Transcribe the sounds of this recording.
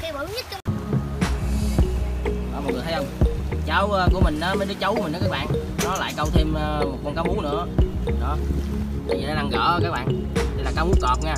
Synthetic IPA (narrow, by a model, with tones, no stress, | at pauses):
kɛ˧wə˨˧˨ɲɨ˦˥t̚t͡ɕ | ʔɔː˧˩m˨˩t̚ɨ˨˩ət̪ʰjhə˧wŋ͡mt͡ɕa˨˦wəː˧ku˧˩əmï˨˩ŋ̟ʔaː˨˦məː˨˦jɗɨ˨˦t͡ɕə˨˦wmi̟˨˩ʔːkaː˦˥k̚ɓa̰ː˧˨ŋ | nɔ˨˦la̰ː˧˨jkə˧wŋ͡mt̪ʰe˧mə˧mo˨˩kɔ˧nkaː˨˦wʔu˨˦nɨ̰˧˥əɗɔ˨˦˨ | i˨a˨˦la˧ŋɣə̰ː˧˩˧kaː˦˥k̚ɓa̰ː˧˨ŋa˨jlaː˨˩kaː˨˦wmu˨˦kɔ˨˩p̚ŋaː˧